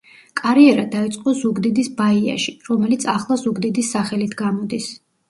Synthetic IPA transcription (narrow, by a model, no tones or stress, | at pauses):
kʼaɾiɛɾad̪ait̪sʼqʼɔzuɡd̪id̪isbaia̰ʃiɾɔmɛlit̪sʰaχlˠazuɡd̪id̪isːaχɛlit̪ʰɡamɔd̪is